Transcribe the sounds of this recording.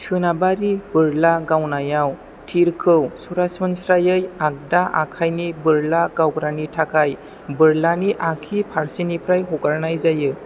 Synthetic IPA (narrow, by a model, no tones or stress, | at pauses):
sʰɯnabaɾibɯɾlaɡawnajaw | tʰiɾkʰɯwsuɾasɔnsɾajɯjak̚daʔa̰kʰajnibɯɾlaɡawɡɾanitʰakʰaj | bɯɾlaniʔakʰipʰaɾsinipɾajɦɔɡaɾnajzajɯ